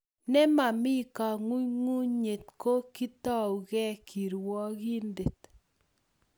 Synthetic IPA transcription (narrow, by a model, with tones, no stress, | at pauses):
nɛ˦ma˨mi˦ka˨ŋu˦ɲŋu˦ɲɲe˨t̚ko˦ki˦t̪a˦u˨ɣɛ˦kʰi˨ɾwɔ˦ki˦nde˨t̪